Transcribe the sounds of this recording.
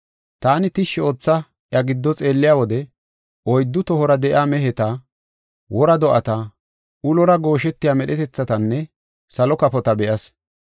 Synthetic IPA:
t̪aːnɪt̪ɪʃːɛoːt͡sːɐ | ʔjɐɡɪd̪ːɔt͡sʼeːlːɪjaːwɔd̪ɛ | ʔɔjd̪ːʊt̪ɔhɔɾɐd̪ɛʔɪ̰aːmɛɦɛt̪a | wɔɾɐd̪ɔʔɐt̪ɐ | ʔʊlɔɾɐɡo̞ːʃɛt̪ːɪjaːmɛɗɛt̪ɛt͡sːɐt̪ɐnːɛ | sɐlɔkɐpɔt̪ɐbɛʔɐs

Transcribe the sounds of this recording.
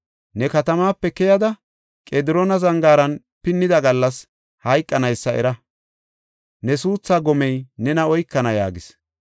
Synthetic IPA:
nɛkɐt̪ɐmaːpːɛkɛjɐd̪ɐ | kʼeːd̪ɪɾoːnɐzɐŋɡaːɾɐn | pɪnːɪd̪ɐɡɐlːɐs | hɐjkʼːɐnɐjsːɐɛ̰ɾɐ | nɛsuːt͡sːaːɡɔmɛjnɛnɐɔjkːɐnɐja̰ːɡɪs

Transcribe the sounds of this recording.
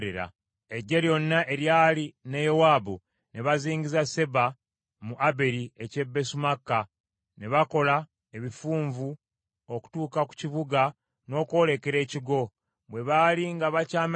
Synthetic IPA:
ɾeɾa̰ | eɟːeljo̞nːaʔe̞ɾjaːlinejowaːbo | ne̞βaziːŋɟizase̞ba | muʔabe̞ɾie̞ce̞bːe̞sumakːa | ne̞βako̞la | eβifuːɱvu | oku̥tuːkaku̥ciβuɡa | no̞ːko̞ːle̞ke̞ɾe̞ːciɡo̞ | βwe̞βaːliŋɡaβacaːm

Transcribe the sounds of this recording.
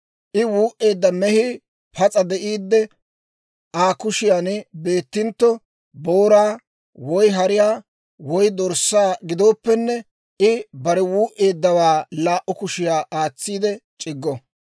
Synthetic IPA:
ʔɪwuːʔe̞ːd̪ːɐmɛhɪ | pʰɐt͡sʼɐd̪ɛʔiːd̪ːɛ | ʔaːkʊʃɪjaːnbe̞ːt̪ːɪnt̪ːɔ | boːɾaː | wɔjɦɐɾɪjaː | wɔjd̪ɔɾsːaːɡɪd̪o̞ːpːɛnːɛ | ɪbɐɾɛwuːʔe̞ːd̪ːɐwaːlaːʔʊkʊʃɪjaːʔaːt͡sːiːd̪ɛt͡ʃʼɪɡːɔ

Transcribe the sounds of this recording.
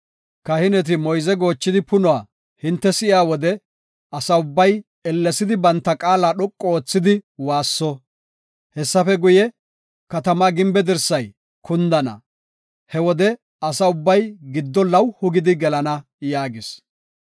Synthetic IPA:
kɐhɪnɛt̪̬ɪmɔjzɛɡo̞ːt͡ʃːɪd̪ɪpʊnʊaː | hɪnt̪ːɛsɪʔɪaːwɔd̪ɛ | ɐsɐʊbːɐj | ɛlːɛsɪd̪ɪbɐnt̪ːɐkʼaːlaːɗɔkʼːɔoːt͡sːɪd̪ɪwaːsːɔ | hɛsːɐfɛɡʊjɛ | kɐt̪ɐmaːɡɪmbɛd̪ɪɾsɐj | kʊnd̪ɐnɐ̰ | hɛwɔd̪ɛ | ɐsɐʊbːɐjɡɪd̪ːɔlɐwhʊɡɪd̪ɪɡɛlɐnɐ | jaːɡɪs

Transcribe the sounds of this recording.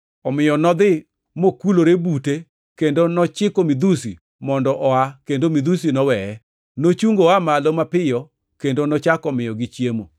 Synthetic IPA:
ɔmɪjɔnɔd̪ɪ | mokuloɾebute | kendonɔt͡ʃɪkomid̪usḭ | mɔndɔʔɔakendomid̪usinɔwɛɛ | not͡ʃuŋɡoamalomapɪjɔ | kendonɔt͡ʃakɔmɪjɔɡit͡ʃjemo̰

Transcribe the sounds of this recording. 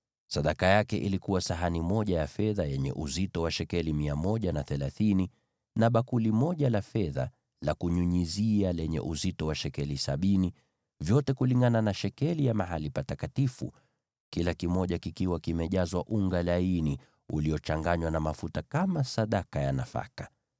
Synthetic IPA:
saɗakajakɛʔilikuwasaɦanimɔʄajafɛðajɛɲɛ̰ʔuzitɔwaʃɛkɛlimiamɔʄanaθɛlaθini | naɓakulimɔʄalafɛða̰ | lakuɲuɲizialɛɲɛ̰ʔuzitɔwaʃɛkɛlisaɓini | vjɔtɛkuliŋɡananaʃɛkɛlijamaɦalipatakatifṵ | kilakimɔʄakikiwakimɛʄazwaʔuŋɡalaini | uliɔt͡ʃaŋɡaɲwanamafutakamasaɗakajanafa̰kḁ

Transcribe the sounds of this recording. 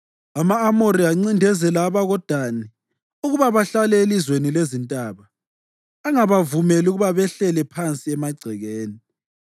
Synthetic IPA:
amaːmoɾiaŋ͡ǀindʱɛzɛlaːβaɣɔd̥ʱani | uɣuβaβaɬalɛelizwenilezintʼaːβaː | ŋaβavumɛluɣuβaβɛɬɛlɛpʰant͡sʼiɛmaɡ͡ǀʱɛɣeːni

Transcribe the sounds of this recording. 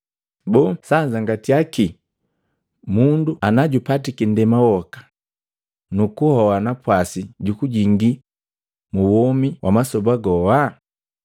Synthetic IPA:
bɔsaɲzaŋɡatiaki | munduanaɟupatikindɛmawɔkḁ | nukuhɔwanapwasiɟukuɟiŋɡi | muwɔmiwʔamasɔbaɡɔwa

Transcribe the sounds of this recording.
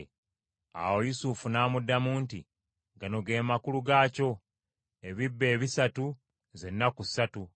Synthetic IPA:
a̰wo̞jusufunaːmudːamuːnti | ɡanoɡe̞ːmakuluɡaːco̞ | e̞βibːe̞ːβisatu | ze̞nːakusatu

